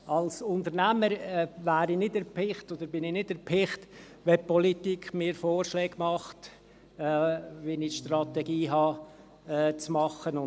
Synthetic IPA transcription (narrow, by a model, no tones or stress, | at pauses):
ɑlsʊntəɾnæməɾɛvæːɾinɪdɛɾpʰɪχtɔd̪əɾbɪnɪnɪdɛɾpʰɪχt | ʋɛpɔlitiːkʰχmɪːɾfoːrʃlɛːɡ̥mɑχtː | ʋinɪʃtrɑt̪ɛɡ̥iːɦɑː | t͡smɑχənʊn